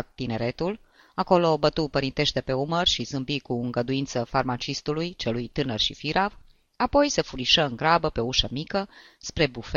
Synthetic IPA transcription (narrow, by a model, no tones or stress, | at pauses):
t̪ːine̞ɾe̞t̪ul | ako̞lo̞bət̪upəɾint̪e̞ʃt̪e̞pe̞umərʃizɨmbikuɨŋɡəd̪uint̪səfarmat͡ʃist̪ulujt͡ʃe̞lujt̪ɨnərʃifiɾav | apo̞jse̞fuɾiʃəɨŋɡɾabəpe̞ouʃəmikə | spɾe̞buf